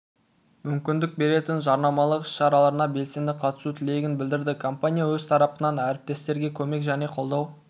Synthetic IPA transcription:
mʏmkʲɪnd̪ɪk̚be̞ɾe̞t̪ɪnʒɑɾnɑmɑlˠəqɪ̥sʃɑɾɑlˠɑɾənɑbe̞lse̞nd̪ɪqʰɑt̪ə̥sut̪ʰɪle̞jɡʲɪnbɪld̪ɪɾd̪ɪkʰo̞mpanʲijawɵzt̪ʰɑɾɑpənɑnæɾɪp̚t̪e̞st̪e̞ɾɡʲe̞kʲʰɵme̞kʒæne̞qʰo̞lˠd̪ɑw

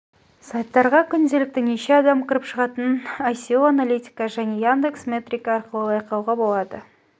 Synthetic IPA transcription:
sɑjt̪ːɑɾʁɑkʲʰʏnd̪e̞lɪk̚t̪ɪneʃeɑd̪ɑmkʰʲɪɾəpʃəʁɑt̪ənajsʲioanalʲijt̪ʲi̥kɑʒæne̞jand̪eksmʲe̞t̪rʲikɑɑɾqəlˠəɑjqɑwʁɑbo̞lˠɑd̪ə

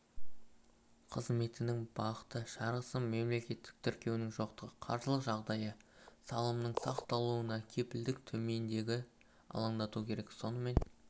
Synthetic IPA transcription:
qʰəzme̞t̪ɪnɪŋbɑqə̥t̪əʃɑɾʁəsəmːe̞mle̞kʲe̞t̪ːɪ̥k̚t̪ʰʏɾkʲe̞wnɪŋʒo̞qt̪əʁəqʰɑ̰ɾʒəlˠəqʒɑʁd̪ɑjəsɑlˠəmnəɴsɑqt̪ɑlˠuənɑkʲʰe̞pɪld̪ɪkt̪ʰɵme̞nd̪e̞ɡʲɪ | ɑ̰lˠɑɴd̪ɑt̪ukʲʰe̞ɾe̞kso̞nəme̞n

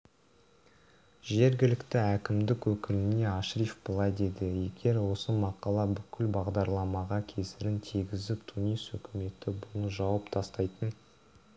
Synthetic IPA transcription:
ʒe̞ɾɡʲɪlɪkt̪ɪækʲɪmd̪ɪkwɵkʲɪlɪne̞ɑʃɾifbəlˠɑjd̪e̞d̪ɪje̞ɡʲe̞ɾwo̞səmɑqɑlˠɑbʏkʲʰɪlbɑʁd̪ɑɾlˠɑmɑʁɑkʲʰe̞sɪɾɪnt̪ʰiɡʲɪzɪpt̪ʰunijsɵkʲɪme̞t̪ɪbʊlˠəʒɑwɑpt̪ʰɑst̪ɑjt̪ən

